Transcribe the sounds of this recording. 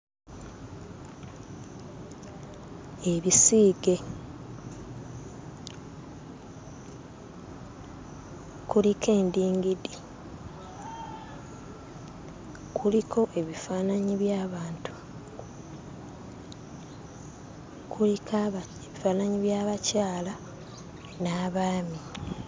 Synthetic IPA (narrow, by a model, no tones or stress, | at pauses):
eβisiːɡe̞ | kulikʰe̞ːndiːŋɡidi | kʰulikʰo̞ʔe̞βifaːnaɲiβjaːβaːntu̥ | kʰulikʰaβa | eβifaːnaɲiβjaːβacaːla | naːβaːmi